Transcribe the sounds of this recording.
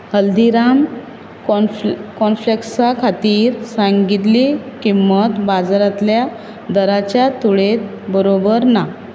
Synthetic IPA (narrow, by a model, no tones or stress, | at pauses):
həld̪iɾam | kɔnfleksakʰat̪iːɾsaŋɡit̪likimːət̪bad͡zɾat̪lja | d̪əɾat͡ɕjat̪uɭet̪̚ | bəɾobəɾna